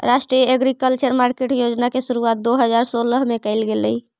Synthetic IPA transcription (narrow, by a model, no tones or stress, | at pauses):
ɾasʈɾijəeɡɾikəlt͡ʃəɾmaɾkeʈjod͡ʒnakesuɾuat̪̚d̪oɦəd͡ʒaɾsoləɦmekəjlɡelə̰j